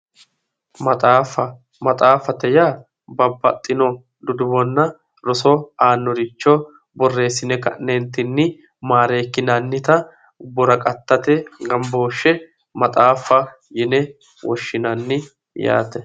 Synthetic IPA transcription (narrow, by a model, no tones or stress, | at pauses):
mɐt̪ʼaːfɐ | mɐt̪ʼaːfɐt̪ɛjaː | bɐbːɐt̪ʼːɪnɔ | d̪ʊd̪ʊbɔnːɐ | ɾɔsɔaːnːɔɾɪt͡ʃːo | bɔrːe̞ːsːɪnɛkɐ̰nːeːnt̪ɪnːɪ | maːɾe̞ːkːɪnanːɪt̪ɐ | bɔɾɐkʼɐt̪ːɐt̪ɛɡɐmbo̞ːʃːɛ | mɐt̪ʼaːfːɐ | jɪnɛ | wɔʃːɪnɐnːɪ | ja̰ːt̪ɛ